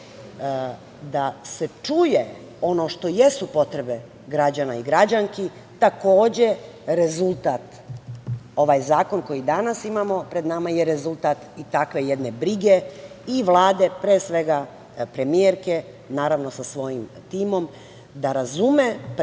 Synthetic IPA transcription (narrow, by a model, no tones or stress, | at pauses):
d̪ase̞t͡ʂuje | o̞no̞ʃt̪o̞je̞supo̞t̪ɾe̞be̞ | ɡɾad͡ʑanaiɡɾad͡ʑaŋki | t̪ako̞ːd͡ʑe | ɾe̞zulˠt̪aːt̪ | o̞ʋajzaːko̞nko̞jid̪anasimamo̞pɾe̞d̪namajeɾezulˠt̪at̪it̪akʋe̞jed̪ne̞bɾiɡeiʋlˠaːd̪e̞pɾesʋe̞ɡa | pɾe̞mieɾke̞ | naːɾaʋno̞sasʋo̞jim | t̪iːmo̞m | d̪aɾazumep